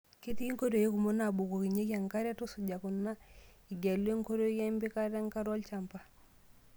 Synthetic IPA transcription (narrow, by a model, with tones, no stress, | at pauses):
ki˦ti˦i˦ŋko˦ɾo˨je˦ku˨mo˦na˨bu˨ko˨ki˨ɲe˦kja˨ŋka˦ɾa˦tu˦su˨d͡ʒa˨ku˨na˦ | i˨ɡa˨le˦ŋko˦ɾo˦jɛ˦mbi˦ka˦ɾa˦ŋka˦ɾwɔ˦lt͡ʃa˨mpa˨